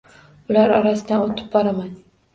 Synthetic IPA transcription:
ʊlaɾɒɾasɪd̪anot̪ʰɪ̥b̚bɒɾaman

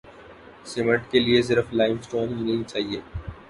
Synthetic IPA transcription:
sɪməʈkelies̬ɪɾəflaːɪmsʈoːnɪ̃nɐɦĩt͡ʃaːɦieː

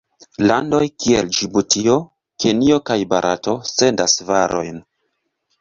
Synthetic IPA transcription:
lando̞jkiḛld͡ʒibutʰio̞ | ke̞nio̞kajba̰ɾʔa̰to̞se̞ndasvaɾo̞̰jn

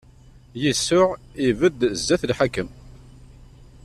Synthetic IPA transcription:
jəsːʊʁivəd̪zːæθlħakːəm

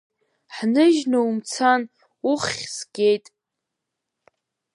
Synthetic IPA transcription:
ħnɨʒnaumt͡sʰan | uχʲsɡ̥ʲe̞jtʼ

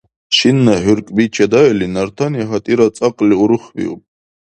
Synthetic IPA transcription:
ʃinːaɦyɾkʼbit͡ʃʰad̪aɛlinaɾt̪ʰanjaɦat̪ʼiɾat͡sʼaqʼliuɾɨχvḭṵpʼ

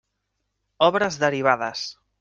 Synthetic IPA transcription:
ɔβɾəzðəɾiβ̞aðəs

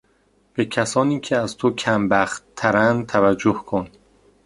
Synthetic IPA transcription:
b̥e̞cʰæsɒːniːkʰeæzt̪ʰocʰæmbæxt̪t̪ʰːæɾænd̪t̪ʰævæd͡ʒːohkʰon

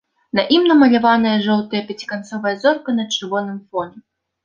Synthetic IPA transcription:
nɐʔimnɐmɐlʲavanɐjɐʐɔlˠt̪ɐjɐpʲat͡sʲi̥kant̪sɔvɐjɐzɔrkɐnɐt͡ʂɨrvɔnɨmfɔnʲɛ

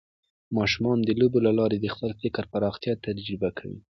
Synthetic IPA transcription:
mɑʃumɑnd̪əlobelalɑɾed̪əxpəlfɪkɾpaɾɑxt̪jɑt̪ad͡ʒɾɪbakʰawḭ

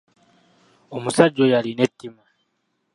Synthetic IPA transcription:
omusad͡ʒojalinetːima

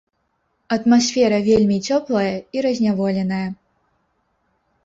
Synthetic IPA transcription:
ɐt̪masʲfʲɛɾɐvʲelʲmʲit͡sʲɔplˠɐjɐiɾɐzʲnʲavɔlʲɛnɐjɐ

